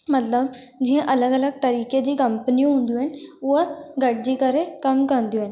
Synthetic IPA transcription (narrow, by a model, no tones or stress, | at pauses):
mət̪ləb̚ | d͡ʑiɦẽʔɐləɡələɡ̚t̪əɾiːked͡ʑiːkəmpəniũɦũnd̪uɦenʋəɡʱəʈ̚d͡ʑiːkəɾẽkəmkənd̪iuen